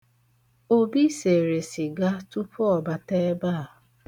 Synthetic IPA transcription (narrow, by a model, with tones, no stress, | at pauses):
o˦bi˦se˨ɾe˨sɪ˨ɡa˦tu˦pɔ˨ba˨te˦ba˦˨